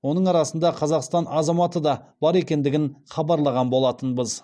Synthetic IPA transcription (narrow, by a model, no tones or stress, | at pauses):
wo̞nəɴɑɾɑsənd̪ɑqʰɑzɑqst̪ɑnɑzɑmɑt̪əd̪ɑbɑɾe̞kʲe̞nd̪ɪɡʲɪɴχɑbɑɾlˠɑʁɑnbo̞lˠɑt̪ənbəz